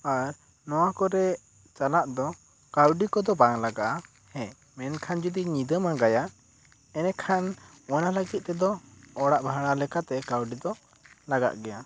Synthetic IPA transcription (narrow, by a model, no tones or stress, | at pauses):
aɾ | nɔwakɔɾɛ | t͡ʃalaʔd̪ɔ | kawɖikɔd̪ɔbaŋlaɡaʔa | hɛ | mɛnkʰand͡ʒud̪iɲid̪əmaɡaja | ɛnɛkʰan | ɔnaləɡit̪̚ˀt̪ɛd̪ɔɔɽaʔbʱaɽalɛkat̪ɛkawɖid̪ɔ | laɡa̰ʔɡɛja